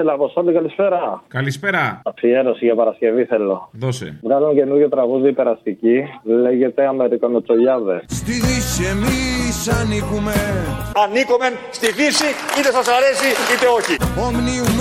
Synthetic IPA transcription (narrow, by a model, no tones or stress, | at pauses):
elɐposolikɐlispe̞ɾɐkɐlispeɾɐɐfie̞ɾo̞siʝɐpɐɾɐsce̞viθe̞lo̞ðosḛvɣɐzomece̞nuɾʝot̪ɾɐɣuðiipe̞ɾɐst̪icile̞ʝe̞t̪e̞ɐme̞ɾikonot͡so̞ʎɐðest̪iðisemisɐnikumeɐnikomenst̪ifisiit̪e̞sɐsɐɾe̞siit̪e̞o̞çiomnium